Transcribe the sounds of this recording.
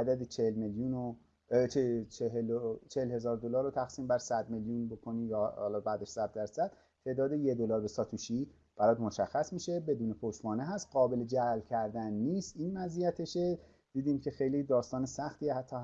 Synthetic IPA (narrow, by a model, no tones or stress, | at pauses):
æd̪æd̪et͡ʃʰelmeljuno | t͡ʃet͡ʃʰeɦelot͡ʃʰehelhe̞zɒːɾd̪olɒːɾot̪ʰæxsiːmbæɾsæd̪meljunbo̞kʰoniːjɒhɒ̰ːlɒːbæd̪eʃsæd̪̚ːæɾsæd̪̥̚ʰe̞ːʔd̪ɒːd̪ejed̪olɒːɾbesɒːt̪ʰuʃiː | b̥æɾɒːd̪moʃæxːæsmiːʃebe̞d̪uːnepʰoʃbɒːneɦæst̪ɢɒːbe̞led͡ʒælcʰæɾd̪ænːiːst̪iːnvæzijæt̪ʰeʃe | d̪̥iːd̪iːmcʰe̞xe̞jliːd̪ɒːst̪ɒːnesæxt̪iːehæt̪ʰːɒː